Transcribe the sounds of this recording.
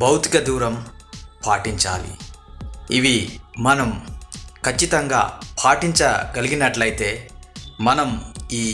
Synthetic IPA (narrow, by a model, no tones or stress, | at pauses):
bɐwt̪ikɐd̪uːɾɐmpʰaːʈiɲt͡ʃa̰ːlḭ | iʋimɐnɐmkʰɐt͡ʃːit̪ɐŋɡa̰ːpʰaːʈiɲt͡ʃɐɡɐliɡinɐʈlɐjt̪e̞ːmɐnɐmiː